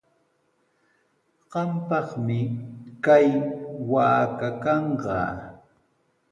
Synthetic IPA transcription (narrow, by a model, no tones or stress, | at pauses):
ɢɑmpɑχmɪkajwaːkakɑɴɢɑ̰ː